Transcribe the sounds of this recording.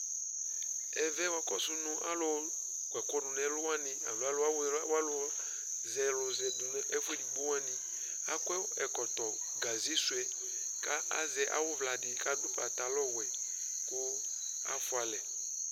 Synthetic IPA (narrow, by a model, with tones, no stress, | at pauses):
ɛ˨vɛ˦wa˨kɔ˦sʊ˦nʊ̃˦ʔa̰˦lɔ˦ | kwɛ˨kɔ˦nʊ˨nɛ˨˦lʊ˦wa˦nɪ̃˨a̰˨lo˨˦a˦lo˦a˦wwa˦lʊ˦ | zɛ˨lʊ˨zɛ˨dʊ˨n˦ɛ˦fʊ˦ɛ˦di˨bo˦a˦nɪ̃˨ | a˦kɛ˦ɛ˨kɔ˨t̪ɔ˨ | ɡa˨zi˦sʊ˦ɛ˨ | ka˦a̰˦zɛ˨ʔa̰˨wʊ˦vla˨dɪ˨ka˦dʊ˦pa˨t̪a˨lɔ˦wɛ˨ | kʊ˦ | a̰˦fʊ˦a˨lɛ˨